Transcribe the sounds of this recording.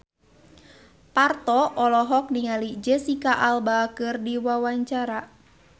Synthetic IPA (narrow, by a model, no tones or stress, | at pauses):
part̪ɔʔɔlɔɦɔk̚niŋalid͡ʒəsikaʔalbakɨrdiwawaɲt͡ʃaɾa